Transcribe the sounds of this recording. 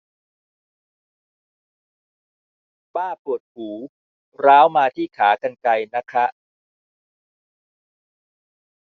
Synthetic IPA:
paː˥˩pu˨˩ət̪̚huː˩˦ | ɾaː˦˥wmaː˧t̪ʰiː˥˩kʰaː˩˦ka˧nka˧jna˦˥kʰa˦˥ʔ

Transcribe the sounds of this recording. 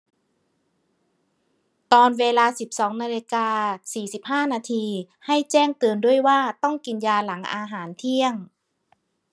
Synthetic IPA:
t̪ɔː˧nweː˧laː˧si˨˩p̚sɔː˩˦ŋnaː˧li˧kaː˧siː˨˩si˨˩˦p̚haː˥˩naː˧t̪ʰiː˧ | ha˧˥˩jt͡ɕɛː˥˩ŋt̪ɯː˨˧əndu˥˩əjwaː˥˩t̪ɔ˥˩ŋki˨˧njaː˧la˩˦ŋʔa̰ː˧ɦaː˩˦nt̪ʰi˥˩əŋ

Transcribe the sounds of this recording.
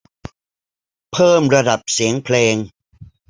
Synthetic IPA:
pʰɤː˥˩mɾa˧da˨˩p̚si˩˦əŋpʰleː˧ŋ

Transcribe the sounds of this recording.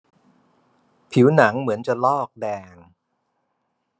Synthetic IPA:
pʰi˩˦wna˩˦ŋmɯ˩˦ənt͡ɕa˨˩lɔː˥˩k̚dɛː˧ŋ

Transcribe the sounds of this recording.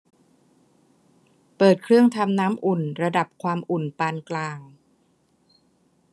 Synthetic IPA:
pɤː˨˩t̪̚kʰɾɯ˥˩əŋt̪ʰa˧mnaː˦˥mʔu˨˩nɾa˧da˨˩p̚kʰwaː˧mʔu˨˩npaː˧nklaː˧ŋ

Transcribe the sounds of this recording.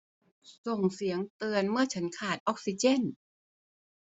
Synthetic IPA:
so˨˩ŋsi˩˦əŋt̪ɯ˧ənmɯ˥˩ɐt͡ɕʰa˦˥nkʰaː˨˩t̪̚ʔɔ˦˥k̚si˧˥t͡ɕe˥˩˨n

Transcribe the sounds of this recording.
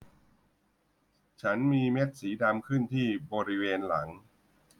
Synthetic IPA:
t͡ɕʰa˦˥nmiː˧me˦˥t̪̚siː˩˦da˧mkʰɯ˥˩nt̪ʰiː˥˩bɔː˧ɾi˦˥weː˧nla˩˦ŋ

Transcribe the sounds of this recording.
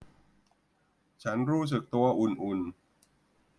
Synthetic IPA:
t͡ɕʰa˦˥nɾuː˦˥s̬ɯ˨˩k̚t̪u˧ɐʔu˨˧nʔu˨˧n

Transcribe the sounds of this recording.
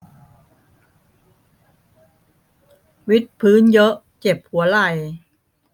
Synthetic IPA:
wi˦˥t̪̚pʰɯː˦˥njɤ˦˥ʔ | t͡ɕe˨˩p̚hu˩˦ɐla˨˩j

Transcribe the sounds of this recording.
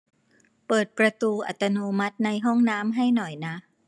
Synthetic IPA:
pɤː˨˩t̪̚pɾa˧t̪uː˧ʔa̰˨˩t̪ːa˧noː˧ma˦˥t̪̚na˧jɦɔ˥˩ŋnaː˦˥mɦa˥˩jnɔ˨˩jna˦˥

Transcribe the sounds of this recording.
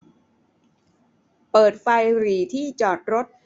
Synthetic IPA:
pɤː˨˩t̪̚fa˧jɾiː˨˩t̪ʰiː˥˩t͡ɕɔː˨˩t̪̚ɾo˦˥t̪̚

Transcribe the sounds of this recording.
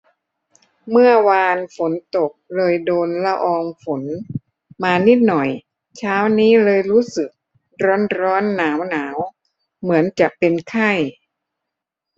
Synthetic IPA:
mɯ˥˩ɐwaː˧nfo˩˦nt̪o˨˩k̚lɤː˧jdoː˧nla˧˥ʔɔː˧ŋfo˩˦n | maː˧ni˦˥t̪̚nɔ˨˩j | t͡ɕʰaː˦˥wniː˦˥lɤː˧jɾuː˦˥sɯ˨˩k̚ | ɾɔː˦˥nɾɔː˦˥nːaː˩˦wnaː˩˦w | mɯ˩˦ənt͡ɕa˨˩k̚pe˧nkʰa˥˩j

